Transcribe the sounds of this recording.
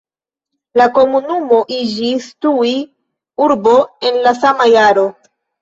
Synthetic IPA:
lako̞munumo̞ʔid͡ʒistui | uɾbo̞e̞nlasamajaɾo̞

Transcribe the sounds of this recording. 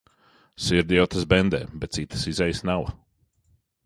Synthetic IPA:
siɾd̪iɔt̪əsbɛnd̪ɛ̰ːbɛt̪siːt̪ə̥sizɛjsnaw

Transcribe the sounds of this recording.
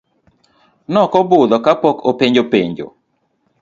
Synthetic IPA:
nɔkɔbʊd̪ɔkapɔkopeɲd͡ʒopeɲd͡ʒo̰

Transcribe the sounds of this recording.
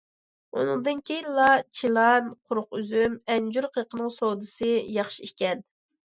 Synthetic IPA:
unɨŋd̪ɨnkʲʰejinlˠɑt͡ʃʰilˠɑnqʰʊɾʊqyzymɛnd͡ʒuɾqʰəqənɨŋsod̪ɨsɨjɑχʃiikʲɛn

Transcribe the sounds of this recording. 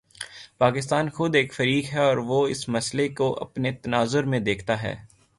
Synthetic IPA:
paːkɪst̪aːnxʊd̪eːkfɐɾiːkɦɛɔːɾʋoɪsmɐslekoʔɐ̰pnet̪ɐnaːzʊɾmẽd̪eːkʰt̪aɦɛ̰ː

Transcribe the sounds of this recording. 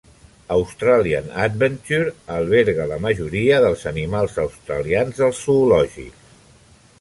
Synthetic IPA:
əwst̪ɾaliə̰na̰d̪̚βənt̪uɾəlˠβɛɾɣələməʒuɾiəðəlˠzənimalˠzəwst̪ɾə̰lianzðəlˠsːuːlɔʒḭks

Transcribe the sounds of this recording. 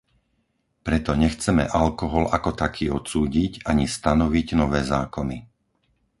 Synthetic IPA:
pɾɛt̪ɔɲɛxt͡sɛmɛ̰ʔalkɔɦɔlakɔt̪akʰiːɔt̪t͡suːɟiɟaɲist̪anɔʋiɟnɔʋɛːzaːkɔni

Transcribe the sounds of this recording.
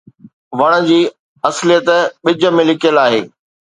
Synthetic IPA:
ʋɐɽ̃ə̆d͡ʑiː | ɐslijət̪ɓɪd͡ʑə̆mẽlɪkʰijəlaːɦḛː

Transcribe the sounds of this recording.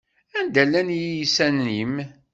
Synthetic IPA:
ænd̪ælːænjijisænːim

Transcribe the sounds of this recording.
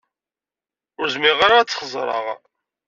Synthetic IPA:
ʊɾzmiʁaɾat͡sːə̥χzˤɾˤɑ̰ʁ

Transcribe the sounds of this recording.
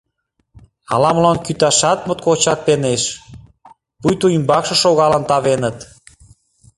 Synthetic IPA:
ɑ̰lɑməlɑnkyt̪ɑʃɑt̪̚mot̪̚kot͡ɕɑk̚peneʃ | pujt̪uimbɑkʃɤ̆ʃoɣɑlənt̪ɑβenət̪

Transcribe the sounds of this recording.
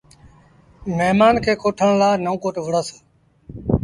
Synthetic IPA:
meɦmaːnkʰeːkʰoːʈʰəɳ̃laːnəũːkoːʈʋəɽaːsaː

